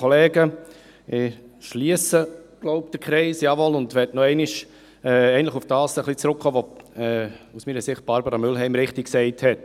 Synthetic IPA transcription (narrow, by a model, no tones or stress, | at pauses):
ɔlɛːɡə | ɪʃliəsəɡ̥lɔʊpd̥əkʰɾɛɪsjɑʋɔlʊndʋɛtnɔɛɪnɪʃ | ɛːɛɪntlɪχʊfd̥ɑːsəχlit͡sɾʊkχoːʋoɛːusmiːɾəsɪχt̚b̥ɑɾbəɾɑmʏlɦɛɪmɾɪχtɪksɛɪthɛt